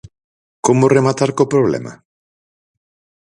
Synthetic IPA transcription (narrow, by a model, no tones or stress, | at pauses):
komʊremat̪aɾkopɾoβlɛ̰ma̰